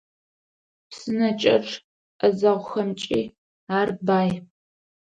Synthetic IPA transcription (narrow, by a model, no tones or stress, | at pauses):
psɨnɐt͡ʃʼɐʈ͡ʂʰʼ | ʔɐzɐʁʷʊxɐmt͡ʃʼiː | aːrbaːj